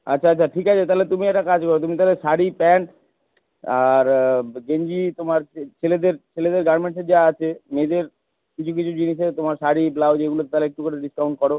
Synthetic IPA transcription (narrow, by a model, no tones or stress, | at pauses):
at͡ɕːɕʰaat͡ɕːʰaʈʰikat͡ɕʰet̪aɦlet̪umiɛk̚ʈakad͡ʑkɔɾot̪umit̪aleʃaɽipɛɳʈ | aɾɡeɲd͡ʑit̪omaɾt͡ɕʰeled̪eɾt͡ɕʰeled̪eɾɡaɾmeɳʈsed͡ʑaat͡ɕʰemed̪eɾ | kit͡ɕʰuk̬it͡ɕʰud͡ʑiniʃeɾt̪omaɾʃaɽiblawd͡ʑeɡulot̪t̪aleekʈukoɽeɖiskaw̃ɳʈ̚kɔɾo